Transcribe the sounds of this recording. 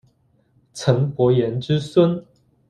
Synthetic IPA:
t͡sʰə˧˥npwɔ˨˧˥jɛ˧˥nʈ͡ʂɻ̩˦swə˦˥n

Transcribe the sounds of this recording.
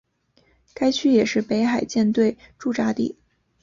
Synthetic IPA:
ka˥ɪt͡ɕʰy˥jɛ˨˩ʂɻ̩˥˩pe˧˥ɪxa˨˩ɪt͡ɕjɛ˥˧nt̪we˥˧ɪʈ͡ʂu˥˩ʈ͡ʂa˥t̪ḭ˥˩

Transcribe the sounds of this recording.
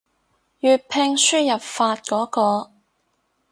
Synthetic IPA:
jyː˨t̚pʰɪ˧ŋsyː˥jɐ˨p̚faː˧t̚kɔː˨˥kɔː˧

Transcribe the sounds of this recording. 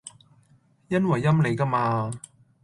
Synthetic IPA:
jɐ˥nwɐ˨jːɐ˥mle˨˧jkɐ˥maː˧

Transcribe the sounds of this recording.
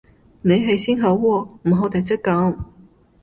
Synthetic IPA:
ne˨˧jɦɐ˨jsiː˥nɦɐ˨˧˥wwɔː˧˩m̩˨˩ɦo˨˥wt̪ʰɐ˨jt͡sɐ˥kːɐ˨˧˥m

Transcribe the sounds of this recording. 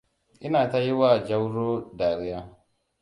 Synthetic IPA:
ʔɪ˦naː˨ta˦ji˦waː˨d͡ʒa˦wɽoː˦daː˨ɾɪ˦jaː˦

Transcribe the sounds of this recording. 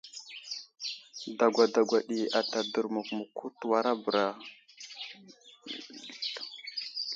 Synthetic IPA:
da˨ɡʷa˨da˨ɡʷa˨ɗi˨a˨ta˨də˨ɾmu˨kmu˨ku˦twa˨ɾa˦bɾa˨

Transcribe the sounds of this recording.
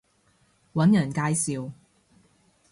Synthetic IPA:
wɐ˨˥njɐ˨˩nkaː˧jsiː˨w

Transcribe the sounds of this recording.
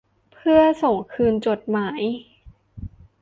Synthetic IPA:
pʰɯ˥˩ɐso˨˩ŋkʰɯː˧nt͡ɕo˨˩t̪̚maː˩˦j

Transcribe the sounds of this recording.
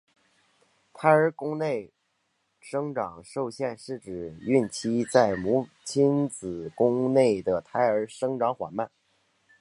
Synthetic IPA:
t̪ʰa˧˥ɪə˞˧˥kʊ˥ŋne˥˩ɪ | ʂɤ˥ŋʈ͡ʂɑ˨˩ŋʂo˥˧ʊɕjɛ˥˧nʂɻ̩˥˩ʈ͡ʂɻ̩˨˩y˥˩nt͡ɕʰi˥t͡sa˥˩ɪmu˧˥ | t͡ɕʰi˥nt͡sɹ̩˨˩kʊ˥ŋne˥˩ɪd̪ə˩t̪ʰa˧˥ɪə˞˧˥ʂɤ˥ŋʈ͡ʂɑ˧˥ŋxwa̰˨˩nma˥˩n

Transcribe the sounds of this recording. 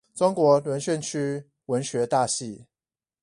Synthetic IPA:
t͡sʊ˥ŋkwɔ˧˥lwə˧˦˥nɕɥɛ˥˨nt͡ɕʰy˥ | wə˧˥nɕɥɛ˧˥t̪a˥˧˨ɕi˥˩

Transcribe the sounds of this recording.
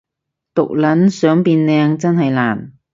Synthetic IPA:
t̪ʊ̰˨k̚lɐ˨˥nsœː˨˥ŋpiː˧nlɛː˧ŋt͡sɐ˥nhɐ˨jlaː˨˩n

